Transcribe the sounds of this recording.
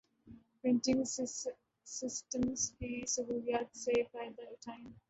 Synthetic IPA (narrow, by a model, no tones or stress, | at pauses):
pɾɪ̃nʈɪ̃ŋ | sɪsʈə̃msbiːsəʋuɾjaːɖseːbaɪd̪əʈʰãɪ̃m